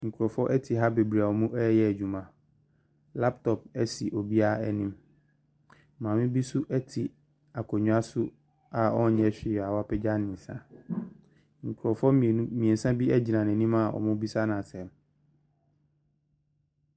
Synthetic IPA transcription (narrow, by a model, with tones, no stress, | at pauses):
ŋ̩˨kʰu˨ɾɔ˨fɔ˦ʔɛ˦tʰi˨ɦa˦be˨bɾi˨a˨ɔ˨mʊ̃˦ʔɛ˦jɛ˦æ˨d͡ʑᶣu˨mã˨ | la˦ptʰɔ˨p̚ɛ˦sḭ˨ʔɔ˨bi˦a˦ɛ˨nĩ˦m˦ | mã˨mɪ̃˦bi˦sʊ˦ʔɛ˦tʰi˨ | a˨kʰɔ˨ɲũ˦a˦sʊ˦ | a˨ɔ˦˨ɲɛ˦ɕᶣɪ˨a˨wa˦pʰɛ˦d͡ʑa˦nɪ̃˨sã̰˦ | ŋ̩˨kʰu˨ɾɔ˨fɔ˦˨˦mĩ˨ɛ̃˨n̩˨sã˦bi˦ɛ˦d͡ʑi˨nã˨n˨ɛ̃˨nĩ˦ma˨ɔ̰˨mʊ̃˦bi˦sa˦nã˨sɛ˨m